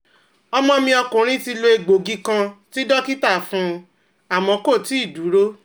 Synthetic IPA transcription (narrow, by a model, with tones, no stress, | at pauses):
ɔ˧mɔ̃˧mĩ˧ɔ˧kũ˨ɾ̃ĩ˦ti˧lo˧e˧ɡ͡bo˨ɡi˦kã˧ti˦dɔ˦ki˦ta˦˨fũ˧ | a˨mɔ̃˨˦ko˦˨ti˨˦i˦˨du˨˦ɾo˦